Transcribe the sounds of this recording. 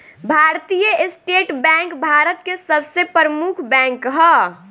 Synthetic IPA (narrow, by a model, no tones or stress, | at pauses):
bʱaːɾt̪ijəʔɪsʈeːʈbɛ̃ːŋkbʱaːɾət̪kesəbsepɾəmukʰbɛ̃ːŋkɦə